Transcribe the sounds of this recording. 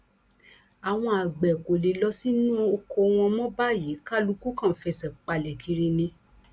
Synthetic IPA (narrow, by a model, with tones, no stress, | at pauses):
a˨w̃ɔ̃˧a˨ɡ͡bɛ˨ko˨le˨˦lɔ˧˦si˦nũ˦o˧ko˧w̃ɔ̃˧mɔ̃˦ba˦ji˨˦ka˦lu˦˧ku˦kã˦˨fɛ˧˨sɛ˨k͡pa˧lɛ˨kʰi˨˧ɾi˧nĩ˧